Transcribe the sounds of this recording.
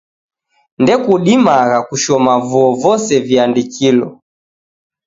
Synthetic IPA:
ndɛkuɗimaɣakuʃɔmavuɔvɔsɛviandikilɔ

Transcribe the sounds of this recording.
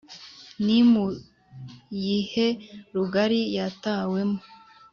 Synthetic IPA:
nimu | jiheɾuɡaɾijataːwe̞mo

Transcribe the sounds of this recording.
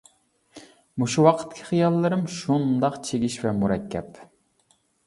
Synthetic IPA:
muʃuwɑqʰə̥t̪kʲʰi̥χijɑlˠːɨɾɨmʃund̪ɑqt͡ʃʰeɡʲiʃvɛmuɾɛkʲʰːɛp

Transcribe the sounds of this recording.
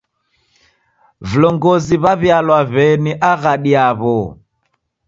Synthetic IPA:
vulɔŋɡɔziβaβjalwaβɛniʔaɣaɗiaβɔ

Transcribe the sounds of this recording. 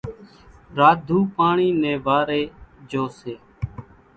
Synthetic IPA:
ɾaːd̪ʱuːpaːɳiːnɛ̃ːʋaːɾeːd͡ʒoːseː

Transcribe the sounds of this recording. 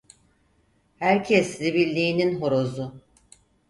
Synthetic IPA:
hæɾcʰɛslʲibilʲːiːninɦoɾozʊ

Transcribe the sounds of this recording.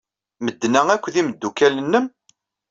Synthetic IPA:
məd̪ːnæŋækʷːðiməd̪ːukælənːəm

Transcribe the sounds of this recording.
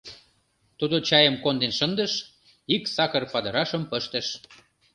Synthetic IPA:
t̪ud̪ot͡ɕɑjəmkond̪enʃənd̪əʃ | iksɑkərpɑd̪ə̆ɾɑʃəmpəʃt̪əʃ

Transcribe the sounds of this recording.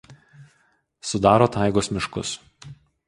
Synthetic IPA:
sʊd̪ɑːɾoːt̪ɑˑɪɡoːsmʲɪʃkʊ̰s

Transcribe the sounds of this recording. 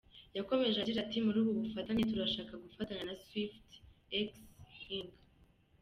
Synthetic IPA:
jako̞me̞ʒaɟiɾatimuɾuːβuβufataɲetuɾaʃaːkaɡufataɲanaswiftekshiŋɡ

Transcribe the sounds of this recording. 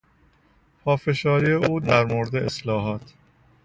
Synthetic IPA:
pʰɒːfe̞ʃɒːɾiːeʔuːd̪æɾmoɾd̪eʔeslɒːɦɒːt̪ʰ

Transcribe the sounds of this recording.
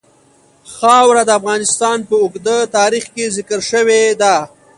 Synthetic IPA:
xɑwɾad̪əafɣɑnɪst̪ɑnpəʊɡd̪ət̪ɑːɾixkezɪkəɾʃəwed̪a

